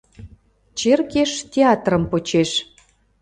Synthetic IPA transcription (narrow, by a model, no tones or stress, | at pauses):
t͡ɕerkeʃtʲeɑt̪rə̆mpot͡ɕeʃ